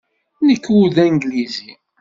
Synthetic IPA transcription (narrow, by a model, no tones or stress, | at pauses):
nəkːwuðæŋɡlizi